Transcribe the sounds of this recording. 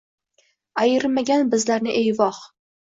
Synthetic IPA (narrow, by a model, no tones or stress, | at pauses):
ajɪɾmaɡʲanbɪzlaɾnɪʔejvɒq